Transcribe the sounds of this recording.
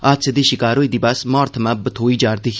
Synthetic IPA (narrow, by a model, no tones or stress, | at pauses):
aːsed̪iːʃɪkaːɾoːiːd̪iːbɐsmɔːɾt̪ʰəmãːbət̪ʰoːiːd͡ʒaːɾt̪i